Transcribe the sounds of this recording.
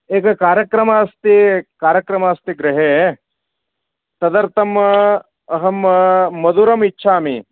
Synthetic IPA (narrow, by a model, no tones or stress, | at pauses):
eːkɐkaːɾjɐkɾɐmaːst̪ikaːɾjɐkɾɐmaːst̪iɡɾɪɦeː | t̪ɐd̪ɐɾt̪ɐm | ɐɦɐmːɐd̪uːɾɐmitːʃʰaːmḭ